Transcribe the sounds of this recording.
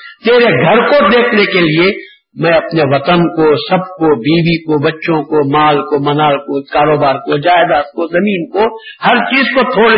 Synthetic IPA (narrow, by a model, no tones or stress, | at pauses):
t̪eːɾeɡʱɐɾkod̪eːkʰnekelie | mɛ̃ɐpneʋɐt̪ənkosɐb̚kobiːbikobɐtːʃõkomaːlkomɐnaːlkokaːɾoːbaːɾkod͡ʒaːɪd̪aːs̚kozɐmĩːnkohɐɾt͡ʃiːzkot̪ʰoːɽ